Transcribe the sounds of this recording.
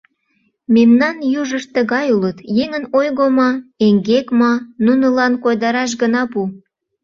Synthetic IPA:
memnɑnjuʒəʃt̪əɣɑjulət̪jeŋənojɣomɑeŋɡekmɑnunəlɑnkojd̪ɑɾɑʃ̬ɡənɑpu

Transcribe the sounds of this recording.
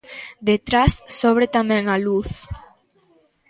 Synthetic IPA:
d̪et̪ɾassoβ̞ɾet̪amɛ̃ŋaluθ

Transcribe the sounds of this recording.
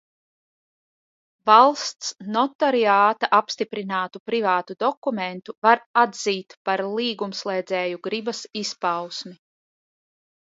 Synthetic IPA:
valˠst̪snɔt̪ɔɾiaːt̪aʔapst̪ipɾinaːt̪upɾivaːt̪ud̪ɔkument̪uvaɾad̪ziːt̪paɾlˠiːɡumslˠeːd̪zɛːjuɡɾibɐsispawsmi

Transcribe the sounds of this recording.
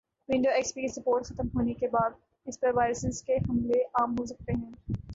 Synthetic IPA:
ʋɪ̃ɳɖoɛːkspiːsɐpoːɾʈxɐt̪mɦoːnekebaːd̪ | ɪspɐɾʋaːɪɾəsɪzkeɦɐmleʔaːmɦosɐk̚t̪eɦɛ̃ː

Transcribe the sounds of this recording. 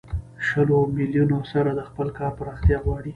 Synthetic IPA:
ʃəlomiljunosaɾad̪əxpəlkɑɾpəɾɑxt̪jɑɣwɑɽi

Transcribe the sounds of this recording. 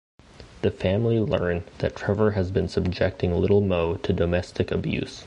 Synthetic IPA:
ðɨfæ̃mlilɜ̰̃˞nðɨ̰tʰɹ̥ɛvə˞ɨzbɨ̃nsəb̚d͡ʒɛk̚tɪ̃ŋlɪɾl̩ˠmoʊtʰɨdoʊmɛstʰɨkɨbjʉ̰s

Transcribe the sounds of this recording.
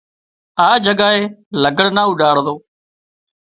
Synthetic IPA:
aːd͡ʒəɡaːɦeːləɡəɽnaːʊɗaːɽd̪oː

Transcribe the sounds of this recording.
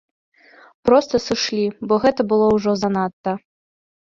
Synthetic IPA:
pɾɔst̪ɐsɨʂlʲibɔɣɛt̪ɐbɨlˠɔwʐɔzanat̪ːɐ

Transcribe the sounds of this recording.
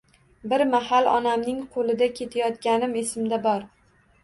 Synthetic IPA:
bɪɾmaɦalˠɒ̰namnɪŋqʰolˠɪd̪akʲʰe̞t̪ʰajɒt̪kʲanɪmesɪmd̪abɒɾ

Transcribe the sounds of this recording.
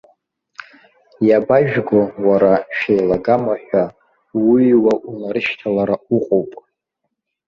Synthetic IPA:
jabaʒᶣɡowaɾaʃᶣejlaɡamaħʷᶣa | wiwaʔunaɾɨʃtʰalaɾauqʼowpʼ

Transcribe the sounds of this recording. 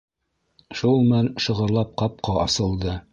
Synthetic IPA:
ʃulˠmælʃɤ̆ʁɤ̆ɾlˠɑp̚qɑp̚qɑʔɑsɤ̆lˠd̪ɤ

